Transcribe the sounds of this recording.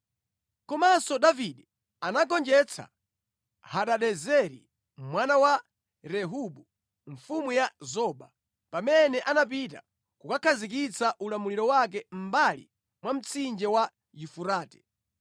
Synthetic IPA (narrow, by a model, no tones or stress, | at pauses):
kɔmasɔɗaviɗɛ | anaɡɔnd͡ʒɛt͡sʰa̰ | haɗaɗɛzɛɾḭ | mwanawa | ɾɛɦuɓu | ɱfumujazɔɓa | pamɛnɛʔanapita̰ | kukakʰazik̬it͡saʔulamuliɾɔwak̬ɛm̩balḭ | mwam̩t͡sʰind͡ʒɛwa | jufuɾaːtɛ̥